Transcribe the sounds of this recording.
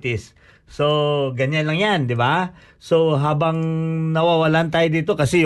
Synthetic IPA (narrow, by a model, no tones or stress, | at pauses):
t̪ɪsː | oɡɐɲanlɐŋjand̪ɪba | so̞ɦaːbɐŋnɐwaːwɐlant̪aːjod̪iːt̪okɐsɛj